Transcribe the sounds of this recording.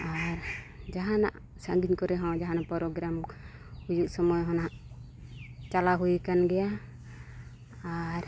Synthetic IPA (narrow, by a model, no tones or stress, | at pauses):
aɾd͡ʒaɦana̰ʔ | saŋɡiɲkɔɾɛɦɔ̃d͡ʒaɦanaʔpɔɾɔɡɾam | hujuʔsɔmɔjɦɔnaʔ | t͡ʃalaɦujkanɡɛja | aɾ